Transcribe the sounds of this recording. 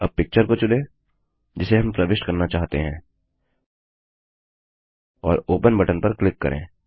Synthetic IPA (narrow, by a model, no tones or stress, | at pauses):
ɐb̚pɪk̚t͡ʃəɾkot͡ʃʊle | d͡ʒɪseɦɐ̃mpɾɐʋɪʃʈkɐɾnat͡ʃaːɦt̪ḛɦɛ̃ː | ɔːɾoːpənbɐʈənpɐɾklɪkːɐ̰ɾʔḛ̃ː